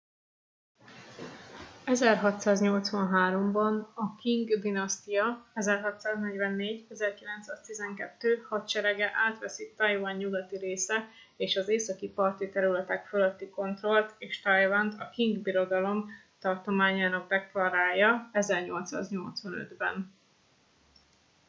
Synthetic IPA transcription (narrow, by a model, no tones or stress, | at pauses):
ɛzɛrɦɒt̪saːzɲo̞lt̪sʋɒnɦaːɾo̞mbɒnɒkiŋɡd̪inɒst̪ijɒɛzɛrɦɒt̪saːznɛɟʋɛnːeːɟɛzɛrkilɛnt̪saːst̪izɛŋkɛt̪ːøːhɒt̪t͡ʃɛɾɛɡɛʔaːt̪ʋɛsit̪ɒjvɒɲːuɡɒt̪iɾeːsɛ | eːʃɒzeːsɒkipɒrt̪it̪ɛɾylɛt̪ɛkføløt̪ːiko̞nt̪ro̞lt̪eːʃt̪ɒjvɔnt̪ɒkiŋɡbiɾo̞d̪ɒlo̞m | t̪ɒrt̪o̞maːɲaːnɒɡ̚d̪ɛklɒɾaːjɒɛzɛrɲo̞lt̪sa̰ːzɲo̞lt̪sʋɒnø̰d̪bɛ̰n